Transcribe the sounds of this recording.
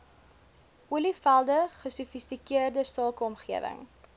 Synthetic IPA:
uəlifælˠdəχəsufistikiərdəsɑːkəɔmχiəvə̰ŋ

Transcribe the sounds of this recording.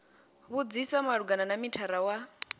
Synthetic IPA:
βud͡zisamaɺuɡananamitʰaɾawa

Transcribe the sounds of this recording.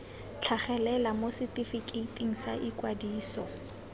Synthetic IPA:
t͡ɬʰaχɛlɛlamosɪtifikʼitʼiŋ̩sa̰ʔikʼwadiːsɔ

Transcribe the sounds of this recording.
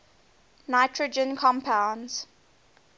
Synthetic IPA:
naɪtʰɹəd͡ʒə̃nkʰɔ̃mpʰãʊ̃nz̥

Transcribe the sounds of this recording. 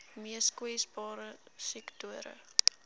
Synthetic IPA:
miəskwisbɑːɾəsiktuəɾə̰

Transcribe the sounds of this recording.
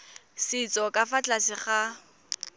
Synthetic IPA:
sit͡sʼɔkʼafat͡ɬasɪχa

